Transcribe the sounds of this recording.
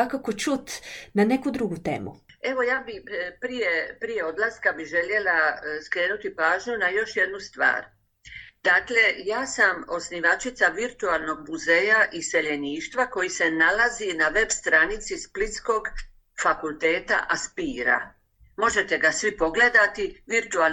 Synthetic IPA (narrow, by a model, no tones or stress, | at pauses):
akako̞t͡ʃut̪nane̞kud̪ɾuɡut̪ḛːmṵe̞ʋo̞jaːbipɾijepɾije̞o̞d̪laskabiʒe̞lje̞laskɾe̞ːnut̪ipaːʒɲunajo̞ʃje̞d̪nust̪ʋa̰ːɾ | d̪̥aːkle̞jaːsamo̞sniʋat͡ʃit̪saʋiɾt̪ualˠno̞ɡ̚muze̞ːjaʔise̞ʎe̞niːʃt̪ʋako̞jisenalazinaʋe̞bst̪ɾanit̪sisplit̪sko̞ɡ | fakulˠt̪e̞ːt̪a̰ʔaspiːɾa̰ | mo̞ʒe̞t̪e̞ɡasʋipo̞ɡle̞d̪at̪iʋiɾt̪ual